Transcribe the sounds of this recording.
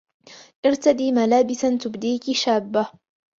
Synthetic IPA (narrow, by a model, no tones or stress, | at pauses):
ʔɪɾt̪ad̪iːmalaːbɪsant̪ʊbd̪iːkɪʃaːbːa